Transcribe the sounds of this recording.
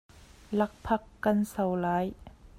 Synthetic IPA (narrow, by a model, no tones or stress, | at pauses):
lɐk̚pʰɐkːɐnsɐwlaːj